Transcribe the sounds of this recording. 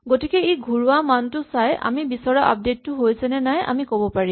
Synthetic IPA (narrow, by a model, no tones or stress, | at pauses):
ɡotikɛejɡʱuɹʊamantʊsajʔa̰mibisɔɹaʔa̰p̚detːʊɦojsɛnɛnaja̰mikobɔpaɹim